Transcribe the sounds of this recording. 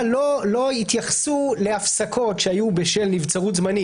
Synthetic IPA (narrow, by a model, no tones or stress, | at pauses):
lolo̞it̪jaχsuleafsakʰo̞tʃeajubeʃelnivt͡saʁut̪zmani